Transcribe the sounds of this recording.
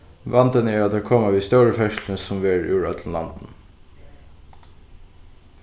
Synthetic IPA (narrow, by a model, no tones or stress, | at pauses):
ʋɑnd̪ənæːɾɑt̪̚d̪ɛːkʰɔməʋiːst̪œːɹəfœʃl̩nəsɔmʋeːɹʉ̰ːɹɑt̪ʰl̩lɑ̰nd̪̥n̩